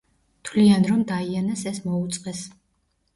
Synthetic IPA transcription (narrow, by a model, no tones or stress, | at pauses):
t̪ʰwlianɾɔmd̪aianasɛsmɔut̪sʼqʼɛs